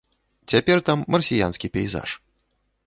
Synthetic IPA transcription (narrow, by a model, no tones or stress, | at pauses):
t͡sʲapʲɛrt̪amːɐrsʲija̰nskʲipʲɛjza̰ʂ